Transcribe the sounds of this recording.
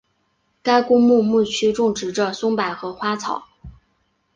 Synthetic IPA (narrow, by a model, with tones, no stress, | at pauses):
ka˥ɪkʊ˥ŋmu˥˧mu˥˩t͡ɕʰy˥ʈ͡ʂʊ˥˩ŋʈ͡ʂɻ̩˧˥ʈ͡ʂə˧sʊ˥ŋpa˨˩ɪxɤ˧˥xwa˥t͡sʰɑ˨˩˦ʊ